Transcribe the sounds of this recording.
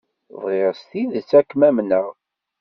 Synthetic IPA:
ðˤʁeʁst̪iðət͡sːækːmæmnəʁ

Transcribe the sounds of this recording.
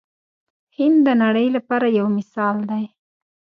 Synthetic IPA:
hɪnd̪d̪ənaɽəjlapɑɾajawmɪsɑld̪aj

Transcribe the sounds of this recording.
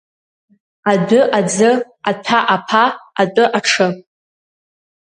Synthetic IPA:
adɨʔad͡zɨ | atʰaʔapʰaːtʼɨʔaʈ͡ʂʰɨ

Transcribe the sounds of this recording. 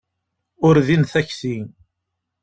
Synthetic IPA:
ʊɾðinθæçθiŋ

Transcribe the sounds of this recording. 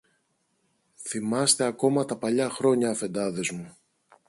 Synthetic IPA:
θimɐst̪eɐko̞mɐt̪ɐpɐʎɐxɾo̞ɲɐːfe̞nd̪ɐðe̞zmu

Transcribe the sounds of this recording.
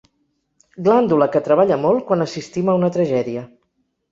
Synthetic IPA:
ɡland̪uləkət̪ɾəβaʎəmol̚ˠkwanəsist̪iməunət̪ɾəʒɛðiə

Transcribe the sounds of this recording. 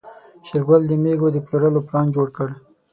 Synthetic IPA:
ʃɪɾɡald̪əmeɡod̪əploɾəloplɑnd͡ʒoɽkəɽ

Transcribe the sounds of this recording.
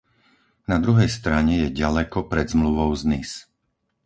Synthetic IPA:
nad̪ɾuɦɛjst̪ɾaɲɛjɛɟalɛkɔpɾɛd̪zmluʋɔʊznis

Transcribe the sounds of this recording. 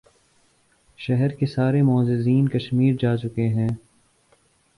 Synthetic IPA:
ʃɛɦɛɾkesaːɾemɔːzɪziːnkɐʃmiːɾd͡ʒaːt͡ʃʊkeɦɛ̃ː

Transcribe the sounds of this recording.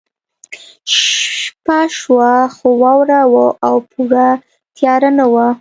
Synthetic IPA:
ʃpaʃwaxowɑwɾawoʔawpʰuɽa | t̪jɑɾanawa

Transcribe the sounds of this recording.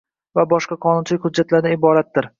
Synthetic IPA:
vabɒʃqɑqʰɒnʊnt͡ʃʰɪlɪkʲhʊdd͡ʒːat̪laɾd̪aɪbɒɾat̪̚dːɪɾ

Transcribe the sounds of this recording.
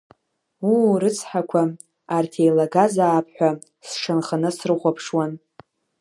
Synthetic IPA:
uɾɨt͡sʰħakʷʰa | artʰejlaɡazaːpʰħʷᶣa | sʂʰanχanɨsrɨχʷapʰʂwan

